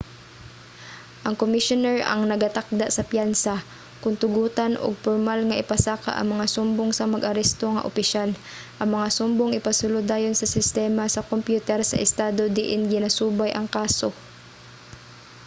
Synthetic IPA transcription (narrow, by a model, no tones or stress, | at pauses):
ʔɐŋkomɪʃonɛɹɐ̰ŋnɐɡat̪ak̚d̪aʔsɐpjansa | kʊnt̪ʊɡuːt̪anʔo̰ɡ̚poɹmalŋɐʔɪpɐsaːka̰ʔɐ̰ŋmɐŋasʊmboŋsɐmɐɡʔɐɾɛst̪o̞ŋɐ̰ʔopɪʃal | ʔɐŋmɐŋasʊmboŋʔɪpɐsʊlod̪aːjonsɐsɪst̪ɛːmasɐkompjuːt̪ɛɾsɐ̰ʔɪst̪aːd̪o̞d̪ɪʔɪnɡɪnasuːbajʔɐŋkaːso̞